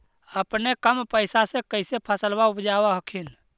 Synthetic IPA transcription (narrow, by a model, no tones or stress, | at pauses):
əpnekəmpəɪsasẽkəɪsepʰəsəlbaupd͡ʒaːwaɦəkʰin